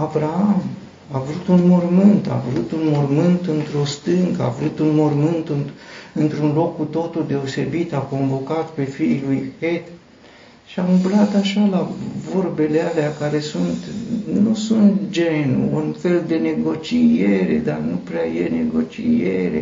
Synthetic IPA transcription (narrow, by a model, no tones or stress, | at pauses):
avɾaam | avɾut̪unmormɨnt̪a̰vɾut̪unmormɨnt̪ɨnt̪ɾo̞st̪ɨŋɡəa̰vɾut̪unmormɨnt̪ɨnɨnt̪ɾunlo̞kːut̪o̞t̪uld̪e̞o̞se̞bit̪ako̞ɱvo̞kat̪pe̞fiːlujxet̪ | ʃiaumblat̪aʃalavo̞rbe̞lealeakaɾe̞sunt̪nusunt̪d͡ʒenṵunfe̞ld̪e̞ne̞ɡo̞t͡ʃieɾe̞̰d̪arnupɾeajene̞ɡo̞t͡ʃḭeɾḛ